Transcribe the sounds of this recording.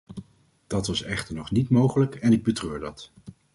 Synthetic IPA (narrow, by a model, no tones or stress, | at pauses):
d̥ɑtʋɑsɛχtəɹnɔχnitmowχələkɛnɪɡ̚bətrøːɹdɑt